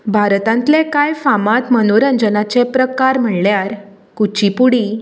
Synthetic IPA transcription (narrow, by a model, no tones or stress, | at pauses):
bʱaɾt̪ãnt̪lẽkajfamat̪mənoɾənd͡zənat͡sepɾəkaɾm̤əɳljaɾ | kut͡ɕipuɽi